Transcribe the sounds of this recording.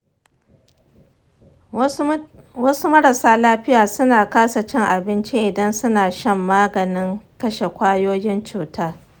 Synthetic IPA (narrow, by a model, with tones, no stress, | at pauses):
wɐ˦su˦mɐ˦ɽɐ˨saː˦laː˦ɸɪ˦jaː˨sʊ˦naː˨kaː˦sa˨t͡ʃɛ˦ŋʔa˨bɪ˦nt͡ʃi˦ʔɪ˨dɐ˦nsʊ˦naː˨ʃɐ˦˨mːaː˦ɡɐ˨nɪ˦ŋkɐ˦ʃe˨kʷaː˦joː˦jɪ˦nt͡ʃuː˨taː˦